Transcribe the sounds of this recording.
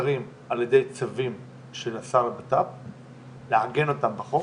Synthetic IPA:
ʁim | aljedejt͡savim | ʃenasaʁbatap̚ | leaɡe̞no̞tambaχo

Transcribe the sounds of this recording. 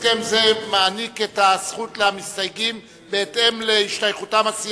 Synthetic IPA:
emzemaːniketasχutleamist̪ajɡim | be̞ete̞mleiʃtajχutamasi

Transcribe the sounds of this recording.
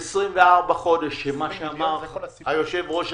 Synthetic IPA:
sʁimveaʁbaχo̞deʃemaʃeamaʁ | ajoʃevbʁoʃ

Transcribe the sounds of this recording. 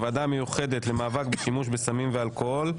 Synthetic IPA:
vad̪amejuχe̞d̪etle̞maːvakbeʃimuʃbesamimvealkohol

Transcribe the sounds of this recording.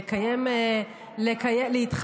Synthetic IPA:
kajem | lekajelehit̪χ

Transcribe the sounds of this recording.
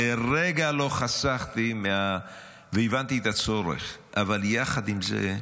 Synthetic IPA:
eɾeɡalo̞χasaχt̪imeha | veivant̪iet̪at͡soɾḛχʔavaljaχad̪imzḛ

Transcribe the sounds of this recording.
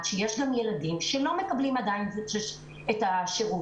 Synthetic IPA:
tʃejeʃɡamjeladimʃelo̞me̞kablimadajinʃeʃ | etaʃeʁu

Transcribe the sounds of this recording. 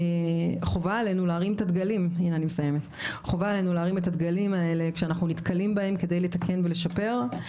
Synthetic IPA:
χo̞vaːle̞nulaːʁimet̪ad̪ɡaliminanimesaje̞me̞t̪ | χo̞vaale̞nulaːʁimet̪ad̪ɡalimae̞le̞kʃeanaχnunit̪kalimbae̞mke̞d̪ejle̞t̪akʰe̞nvele̞ʃape̞ʁ

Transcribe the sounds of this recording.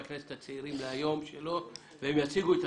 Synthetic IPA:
knese̥t̪hat͡seiɾimleajo̞mʃelo̞ | veemjat͡siɡuet̪

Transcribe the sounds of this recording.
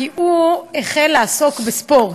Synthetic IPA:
iʔueχelːeaso̞kbespoʁ

